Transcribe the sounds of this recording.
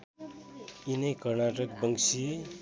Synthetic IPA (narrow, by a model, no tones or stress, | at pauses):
inʌjkʌrnaʈʌk̚bʌŋsi